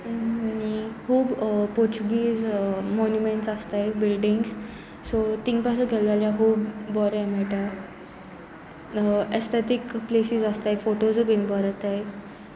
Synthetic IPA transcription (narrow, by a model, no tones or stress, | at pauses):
añihuːbpɔɾt͡ɕuɡiːzmɔnjumeɳʈsast̪ajbilɖiŋɡs | sot̪iŋɡpas̬uɡʰʱeld̪aljaɦuːbːɔɾamɛʈa | est̪ʰet̪ikplesizəst̪ajfoʈozbiŋɡbɔɾt̪aj